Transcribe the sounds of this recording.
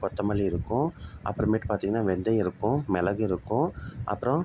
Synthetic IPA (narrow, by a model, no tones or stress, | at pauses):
kɔt̪ːɐmɐliɪɾɯkːʊ̃ʔɐ̰pːɯɾɐ̃miːʈːɯpaːɾt̪iːŋɡɐnːaːʋɛnd̪ɐɪɾɯkːʊ̃mɛlɐɣɯɪɾɯkːʊ̃ʔɐ̰pːɯɾɔ̃